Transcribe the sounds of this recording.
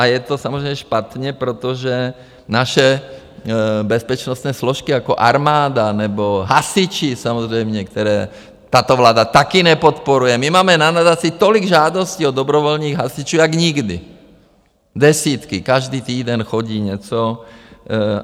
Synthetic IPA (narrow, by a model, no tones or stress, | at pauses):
ajɛt̪ɔsamɔzɾɛɪmɛʃpat̪ɲɛpɾɛt̪ɔʒɛ | naʃɛ | bɛspɛt͡ʃnɔst̪nɛːslɔʃkiakɔʔa̰ɾmaːd̪anɛbɔɦasit͡ʃisamɔzɾɛjmɲɛkt̪ɛɾɛː | t̪aːt̪ɔʋlaːd̪at̪akiɲɛpɔt̪pɔɾujɛmimaːmɛnanad̪asit̪ɔliɡʒaːd̪ɔsciɔd̪ɔbɾɔʋɔlniːɣɦasit͡ʃuaɡɲiɡd̪ḭ | d̪ɛsiːt̪kikaʒd̪iːt̪iːd̪ɛnxɔɟiːɲɛt͡sɔ